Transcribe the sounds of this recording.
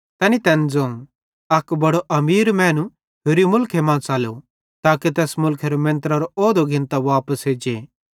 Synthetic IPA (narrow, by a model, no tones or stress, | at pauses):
t̪ɛːnit̪ɛːnd͡zõː | ɐkbɐɽoʔɐmiːɾmɛ̃ːnũ | ɦeɾimʊlkʰemãːt͡saːlo | t̪aːkit̪ɛːsmʊlkʰeɾomẽnt̪əɾaɾooːd̪oɡʱɪ̃nt̪aʋaːpəsɦeːd͡ʒeː